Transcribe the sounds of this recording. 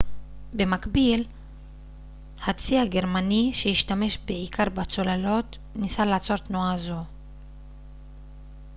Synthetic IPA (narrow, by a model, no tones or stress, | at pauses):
be̞makbil | hat͡siaɡe̞ʁmaniʃejiʃtame̞ʃbeʕikʰaʁbat͡so̞lalo̞t | nisalaːt͡so̞ʁt̪nuazo̞